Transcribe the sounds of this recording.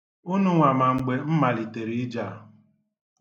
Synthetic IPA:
u˦nu˦ŋʷa˨ma˨ŋ͡m̩˦ɡ͡be˦m̩˦ma˨li˨te˨ɾi˦d͡ʒa˦˨

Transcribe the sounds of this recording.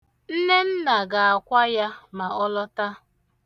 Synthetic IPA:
n̩˦ne˦n̩˦na˨ɡa˨a˨kʷa˦ja˦ma˨ɔ˦lɔ˦ta˦

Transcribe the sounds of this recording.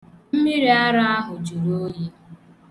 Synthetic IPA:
m̩˦mi˦ɾi˨a˦ɾa˦a˦ɦʊ˨d͡ʒu˨ɾo˦ji˦

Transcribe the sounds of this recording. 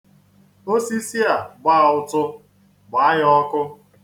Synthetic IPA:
o˦si˦si˦a˨ɡ͡ba˦˨ʊ˦tʊ˦ | ɡ͡ba˨a˦ɦɔ˦kʊ˦

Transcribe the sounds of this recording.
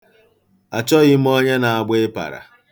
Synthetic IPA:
a˨t͡ʃɔ˦ɣɪ˦m̩˦ɔ˦ɲe˦na˨a˨ɡ͡be˦e˦pa̰˨ɾa̰˨

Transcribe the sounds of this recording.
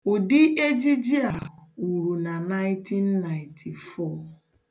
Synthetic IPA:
ʊ˨dɪ˦ʔe˦d͡ʒi˦d͡ʒi˦a˨u˨ɾu˨na˨na˦ɪ̃˦tʰi˦n̩ː˦a˨ɪ̃˨ntʰi˨fɔ˦˨

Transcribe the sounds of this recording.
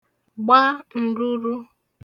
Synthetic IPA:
ɡ͡ba˦n̩˨du˦ɾu˦

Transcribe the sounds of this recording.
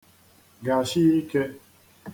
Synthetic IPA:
ɡa˨ʃi˦i˦ke˦

